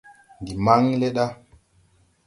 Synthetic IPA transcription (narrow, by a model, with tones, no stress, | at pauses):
ndi˨ma˦ŋle˦ɗa˦